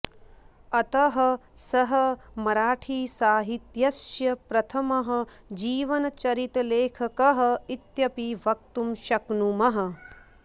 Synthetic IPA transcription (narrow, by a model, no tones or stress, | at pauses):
ɐt̪ɐɦɐ̆sɐɦɐmɐɾaːʈʰiːsaːɦit̪jɐsjɐpɾɐt̪ʰɐmɐɦɐ̆ | d͡ʒiːʋɐnɐt͡ʃɐɾit̪leːkʰɐkɐɦɐ̆it̪jɐpiʋɐk̚t̪umʃɐknumɐɦɐ̆